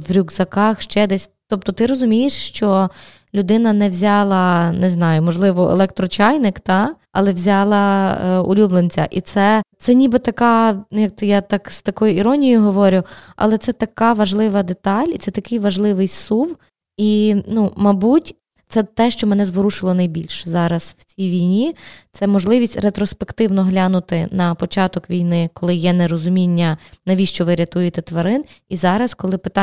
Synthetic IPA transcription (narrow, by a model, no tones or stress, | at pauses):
ʋɾʲuɡzɐkɑxʃt͡ʃɛd̪ɛsʲt̪ɔp̚t̪ɔt̪ɪɾɔzʊmʲijeʃʃt͡ʃɔ | lʲʊd̪ɪnɐnɛwzʲɑlˠɐnɛznɑjʊmɔʒlˠɪʋɔḛlˠɛk̚t̪ɾɔt͡ʃɑjnɪkt̪ɑ | ɐ̰lˠɛʋzʲɑlˠɐʊ̰lʲublˠent͡sʲɐ̰ʔit̪sɛt̪sɛnʲibɪt̪ɐkɑjɐk̚t̪ɪjat̪ɑkst̪ɐkɔjʊiɾɔnʲijʊjɦɔʋɔɾʲʊɐ̰lˠɛt̪sɛt̪ɐkɑʋɐʒlˠɪʋɐd̪et̪ɑlʲit̪sɛt̪ɐkɪjʋɐʒlˠɪʋɪjsuw | inumɐbutʲ | t̪sɛt̪ɛʃt͡ʃɔmɛnɛzʋɔɾuʃɪlˠɔnɐjbʲilʲʃzɑɾɐsw̥t͡sʲijʋʲijnʲit̪sɛmɔʒlˠɪʋʲisʲtʲret̪ɾɔspekt̪ɪwnɔɦlʲanʊt̪ɪnɐpɔt͡ʃɑt̪ɔkʋʲijnɪkɔlˠɪjɛneɾɔzʊmʲinʲːɐnɐʋʲiʃt͡ʃɔʋɪɾʲɐt̪ujɪt̪ɛt̪ʋɐɾɪnizɑɾɐskɔlˠɪpɪt̪ɑ